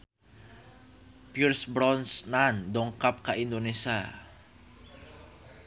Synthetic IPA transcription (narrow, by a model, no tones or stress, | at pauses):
pirsbɾɔnsnandɔŋkap̚kaind̪onesa